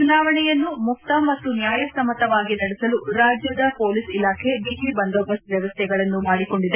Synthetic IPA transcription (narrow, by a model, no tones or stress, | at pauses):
t͡ʃunaːʋɐɳɛjɐnːumukt̪ɐmɐt̪ːunjaːjɐsɐmɐt̪ɐʋaːɡinɐɽɛsɐluɾaːd͡ʒjɐd̪ɐpoːlisilaːkʰebiːʈibɐnd̪ɔbɐsʋjɐʋɐst̪ʰɛɡɐɭɐnːumaːɽiko̞ɳɖid̪e